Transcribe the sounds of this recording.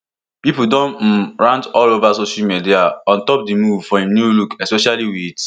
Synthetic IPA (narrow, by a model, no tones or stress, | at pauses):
pipudõnm̩ɹãntɔlovasoʃamidiaɔ̃ntɔpdimuvfɔhĩmnulukɛspɛʃaliwit